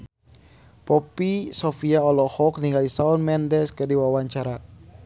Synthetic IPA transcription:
pɔpisɔfiaɔlɔhɔk̚niŋɡalisaɔnmɛndɛskərdiwawaɲt͡ʃaɾa

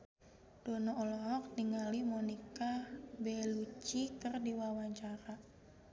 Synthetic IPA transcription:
d̥ɔnɔɔlɔɾɔk̚niŋalimɔnikabɛlut͡ʃikɨrdiwawaɲt͡ʃaɾa

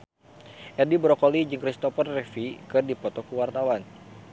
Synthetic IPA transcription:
ʔɛdibɾɔkɔlid͡ʒɨŋkɾist̪ɔfərːɛfikɨrdipɔt̪ɔkuwart̪awan

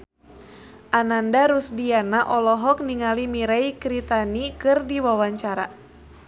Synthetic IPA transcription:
ʔanandaɾusdianaʔɔlɔɦɔk̚niŋalimiɾaikɾit̪anikɨrdiwawaɲt͡ʃaɾa

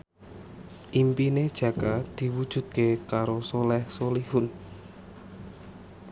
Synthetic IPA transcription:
ʔimpined̥ʒ̥ä̤kad̪̥i̤wud̥ʒ̥ṳd̪̚kekaɾosolɛhsolihʊn

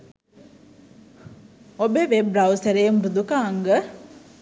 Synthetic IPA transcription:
obəʋebɾɐwsəɾejmrud̪ukaːŋɡə

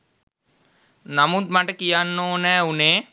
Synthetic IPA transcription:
namut̪̚maʈəkijanːoːnɛːuneː

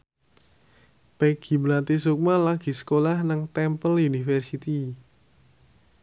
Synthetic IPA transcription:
peɡ̥i̤blat̪isuk̚malaɡ̥i̤sə̥kolahnaŋt̪ɛmpəlunifɛrsit̪i

